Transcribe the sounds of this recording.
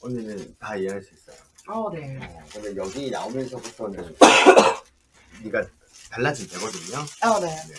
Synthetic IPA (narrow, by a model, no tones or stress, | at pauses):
oɲːinɯntaieɦaɭs͈uis͈ʌjo | ʌnekɯndejʌɡiːna̰omjʌnsʰʌputʰʌnɯn | niɡa | taɭːad͡ʑindeɡʌdɯɲoane̞ne